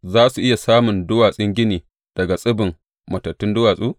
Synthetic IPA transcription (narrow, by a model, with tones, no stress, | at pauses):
zaː˦su˨ʔɪ˦ja˨saː˦mʊ˨ndʊ˦waː˨sʼɪ˦ŋɡʲɪ˦niː˨ | d̥ɐ˨ɡa˨sʼɪ˦bɪ˨m | mɐ˨tɐ˨tːʊ˦ndʊ˦waː˨sʼuː˦